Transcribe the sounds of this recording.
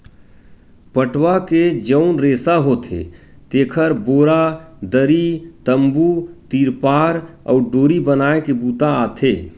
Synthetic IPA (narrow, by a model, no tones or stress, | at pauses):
pəʈwaked͡ʒəʊnɾeːsaɦot̪ʰḛt̪eːkʰəɾboːɾad̪əɾit̪əmbut̪iːɾpaːɾɔ̰ːɾɖoːɾibənaːekebuːt̪aaːt̪ʰeː